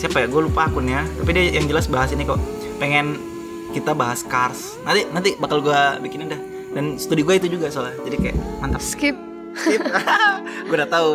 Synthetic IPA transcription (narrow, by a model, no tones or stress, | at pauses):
siapajaɡualupaːkʊnjat̪apidiajaŋd͡ʒəlasbaɦasinika | peŋɛn | kit̪abaɦaskars | nant̪inant̪ibakalɡuabikɪnindah | danst̪udiɡuait̪ud͡ʒuɡasalahd͡ʒadikaja̰ʔmant̪apskɪp̚ | skɪ | ɡuadat̪au